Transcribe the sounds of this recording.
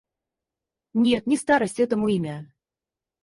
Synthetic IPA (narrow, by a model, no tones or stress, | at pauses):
nʲet̪̚nʲist̪ɑɾəsʲt̪ʲet̪̬ə̆muimʲæ